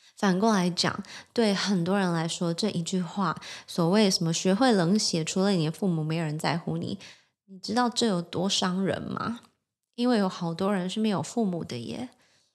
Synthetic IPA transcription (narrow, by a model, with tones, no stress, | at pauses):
fa˨˩nkɔ˥˩ŋla˧˥ɪt͡ɕjɑ̰˨˩˦ŋt̪we˥˩ɪxə˨˩nt̪wɔ˥ɻə˧˥nla˧˥ɪʂwɔ˥ʈ͡ʂɤ˥˩ʔi˧˥t͡ɕy˥˧xwa˥˩swɔ˨˩we˥˩ɪʂə˧˥nmə˧˦ɕɥɛ˧˥xwe˥˩ɪlə˧˥ŋɕjɛ˨˥ʈ͡ʂʰu˧˥lə˧ni˨˩d̪ə˦fu˥˩mu˨˩me˧˥ɪo˨˩ɻə˧˦nt͡sa̰˥˧ɪxu˥nḭ˨˩˦ | ni˨˩ʈ͡ʂɻ̩˥t̪ɑ˥˧ʊʈ͡ʂɤ˥˩jo˨˩ʊt̪wɔ˥ʂɑ˥ŋɻə̰˧˥nmɐ̰˧ | i˥nwe˥˩ɪjo˧˥ʊxɑ˨˩ʊt̪wɔ˥ɻə˧˥nʂɻ̩˥˩me˧˥ɪjo˨˩ʊfu˥˩mu˨˩d̪ə˦jɛ̰˥˩˦